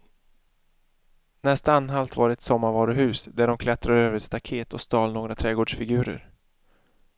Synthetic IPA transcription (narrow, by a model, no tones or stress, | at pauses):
nɛst̪aanːɦalt̪vɑːɾɛɛt̪sɔmːaɾvɑːɾʊɦʉ̟ːsd̪æɖɔmkʰlɛt̪ɾaɾøːvəɾɛt̪st̪akʰeːt̪ʰɔst̪ɑːlnoːɡɾat̪ʰɾɛːɡoːɖʂfɪɡʉ̟ːɾə̰ɾ